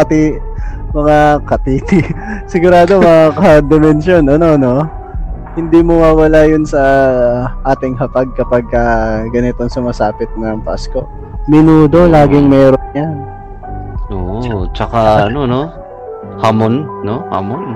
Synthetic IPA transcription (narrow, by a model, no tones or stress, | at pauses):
ɐt̪i | mɐŋakɐt̪iːt̪ɪsɪɡʊɾaːd̪o̞mɐŋakɐd̪ɛmɛnʃo̞nʔɐno̞no̞ | hɪnd̪iːmowawɐlajʊnsɐ | ʔaːt̪ɪŋɦɐpaɡ̚kɐpɐɡ̚kɐɡɐnɪt̪oŋsʊmɐsaːpɪt̪̚nɐŋpa̰sko̞ | mɪnuːd̪o̞laːɡɪŋmɛːɾonɲan | ʔo̰ːʔt͡ʃɐkaʔɐnono̞ | hamonnoha̰mon